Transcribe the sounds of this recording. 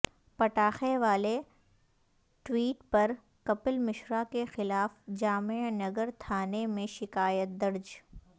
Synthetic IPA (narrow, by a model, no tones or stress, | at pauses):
pɐʈaːxeʋaːle | ʈwiːʈpɐɾ | kɐpəlmɪʃɾakexɪlaːfd͡ʒaːmenɐɡəɾt̪ʰaːnemẽʃɪkaːjət̪̚d̪ɐɾd͡ʒ